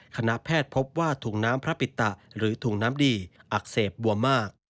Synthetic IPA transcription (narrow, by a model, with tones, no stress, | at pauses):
kʰa˧na˦˥pʰɛː˥˩t̪̚pʰo˦˥p̚waː˥˩t̪ʰuː˨˩k̚naː˦˥mpʰɾa˦˥pi˨˩t̪ːa˨˩ʔɾɯː˩˦t̪ʰuː˨˩knaː˦˥mdiː˧ʔa˨˩k̚seː˨˩p̚bu˨˩ɐmaː˥˩k̚